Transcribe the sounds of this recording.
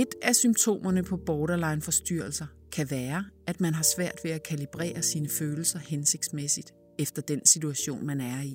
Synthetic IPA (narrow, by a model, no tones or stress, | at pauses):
e̝d̥æsymt͡sʰo̝̰ːmɐnəpʰɒ̽b̥ɒːɾɐlɑ̈ɪnfɒ̽sd̥yɐ̰l̩sɐ | kʰæʋæːɐæd̥mænɦɑ̈sʋæɐ̰d̥ʋe̝ækʰælib̥ʁɛ̰ːɐsiːnəføːl̩sɐhense̝ɡ̥̚d̥smesid̥ | efd̥ɐd̥ensit͡sʰuæɕo̝̰ːnmænæɐi